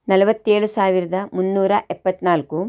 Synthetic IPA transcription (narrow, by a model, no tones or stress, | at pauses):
nɐlɐʋɐt̪ːeːɭusaːʋiɾɐd̪ɐmunːuːɾɐʔɛpːɐt̪ːnaːlku